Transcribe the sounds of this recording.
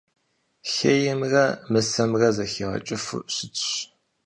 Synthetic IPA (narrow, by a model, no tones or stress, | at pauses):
xeːjɪmrɐmɨsɐmrɐzɐxeːʁɐ̰t͡ʃʼɪfɨ̰ɕɪt͡sʼɕ